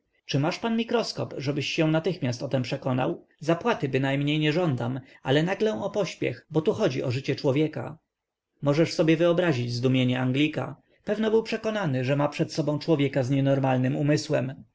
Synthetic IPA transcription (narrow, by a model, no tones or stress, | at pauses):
t͡ʂɘmaʂpanmʲikɾɔskɔ̰pʐɛbɘɕːɛw̃nat̪ɘxmʲjast̪ɔt̪ɛmpʂɛkɔna̰w | zapwat̪ɘbɘnajmɲejɲɛʐɔnd̪ama̰lɛnaɡlɛ̃ɔpɔɕpʲjɛ̰xbɔt̪uxɔd͡ʑiʔɔʐɘt͡ɕɛt͡ʂwɔvʲjɛka̰ | mɔʐɛʂsɔbʲjɛvɘɔbɾaʑid͡ʑzd̪umʲjeɲɛaŋɡlʲika̰ | pɛvnɔbɘwpʂɛkɔnanɘʐɛmapʂɛt̪sɔbɔ̃w̃t͡ʂwɔvʲjɛkazɲɛnɔɾmalnɘmumɘswɛm